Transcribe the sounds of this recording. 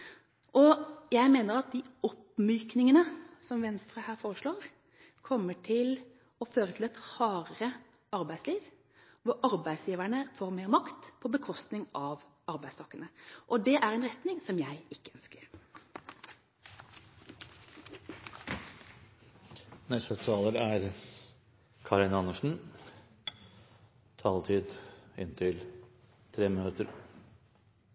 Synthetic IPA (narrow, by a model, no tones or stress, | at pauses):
ʔɔjæɪmeːnəɾɑt̪̚d̪iːɔpmyːknɪŋənəsɔmʋɛnst̪ɾəhæːɾfoːʁəʂɭoːʁ | kʰɔmːəʈʰɪl | ɔføːɾət̪ʰɪlɛt̪hɑːɾəɾə | ʔɑɾbæɪsliːʋ | ʋʊɾʔɑɾbæɪsjiːʋæɳəfoːɾmeːɾmɑkt̪pʰɔbəkʰɔst̪nɪŋɑʋ | ɑɾbæɪst̪ʰɑːkːənəʔɔd̪ɛʔæɾɛnʁɛt̪nɪŋsɔmjæɪɪkːə̥œnskəɾ | nɛst̪ət̪ʰɑːləɾæɾ | kʰɑɾɪnɑnəʂɳ̩ | t̪ʰɑːlt̪ʰiːd̪ɪ̰nt̪ʰɪl | t̪ʰɾeːmənøːt̪əɾ